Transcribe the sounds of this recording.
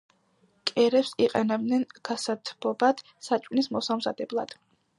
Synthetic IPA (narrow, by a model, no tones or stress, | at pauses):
kʼɛɾɛpsiqʼɛnɛb̚d̪nɛnɡ̥asat̪ʰbɔbat̪ʰ | sat͡ʃʼkʼnismɔsamzad̪ɛblˠad̪̥